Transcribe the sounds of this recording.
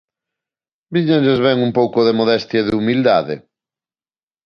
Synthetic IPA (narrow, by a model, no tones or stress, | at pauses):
biɲaʎezβɛŋumpowkʊðemoðɛst̪jɐðɪumild̪aðɪ̰